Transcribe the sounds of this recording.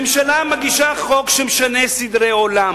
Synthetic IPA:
mʃalamaɡiʃaχokʃemeʃanesid̪ʁeolam

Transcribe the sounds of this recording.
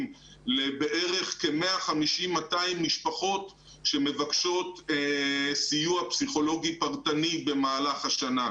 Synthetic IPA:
m | lebe̞ʔe̞ʁe̞χke̞meaχamiʃimːataimːiʃpaχo̞t | ʃe̞me̞vakʃo̞t | sijuapsiχo̞lo̞ɡipaʁt̪anibe̞maːlaχaʃana

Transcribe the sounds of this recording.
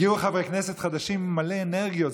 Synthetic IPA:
jiχavʁeknɛsɛtχadaʃimːaleːnɛʁɡiot

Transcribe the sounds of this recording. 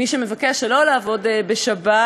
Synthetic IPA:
iʃeme̞vakeaʃelo̞laːvo̞debe̞ʃaba

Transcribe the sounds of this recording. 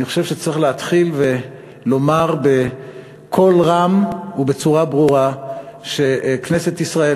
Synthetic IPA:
niχoʃevʃet͡siχleat̪χilve̞ | lo̞maʁbe | kʰo̞lʁamube̞t͡suʁabʁuʁaʃekneset̪isʁae

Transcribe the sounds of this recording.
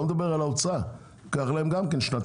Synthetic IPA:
med̪abeʁalaot͡sa | kaχlaemɡamkenʃnat̪

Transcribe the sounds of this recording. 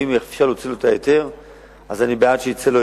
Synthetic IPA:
imefʃaʁlot͡silotajete̞ʁ | azanibeatʃeit͡selo

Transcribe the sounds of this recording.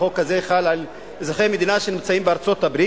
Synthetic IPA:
o̞kːazeχalal | ezaχemed̪inaʃenimt͡saimbeaʁt͡so̞t̪abʁi

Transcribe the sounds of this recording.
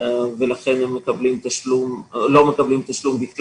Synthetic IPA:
velaχenemːekablimt̪aʃlumlo̞mekablimt̪aʃlumbitl

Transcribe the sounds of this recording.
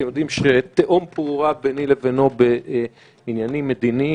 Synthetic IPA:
jod̪imʃet̪eʔompuʁabenilevenobe | injanimːed̪ini

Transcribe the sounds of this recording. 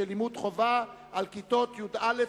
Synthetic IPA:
elimud̪χova | ʔalkit̪o̞t̪jud̪ale

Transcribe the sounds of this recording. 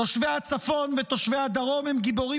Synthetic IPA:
oʃvehat͡safo̞nvet̪o̞ʃvead̪aʁo̞mhemɡibo̞ʁi

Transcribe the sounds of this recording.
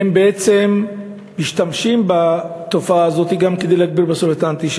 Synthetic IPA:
embeʔet͡se̞mː | iʃt̪amʃimbat̪o̞faaːzo̞t̪iɡamked̪ejleaɡ̚biʁbasofet̪ant̪iʃ

